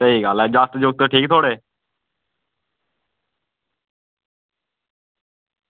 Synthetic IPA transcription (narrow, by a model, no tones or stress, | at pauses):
səiːɡaːlɛːd͡ʒaːst̪d͡ʒoɡ̚t̪əʈʰiːkt̪ʰoːɽeː